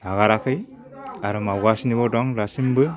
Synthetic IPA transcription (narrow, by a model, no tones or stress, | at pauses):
naɣaɾakʰɯj | aɾɯmawɡasnibɔdɔŋlasimbɯ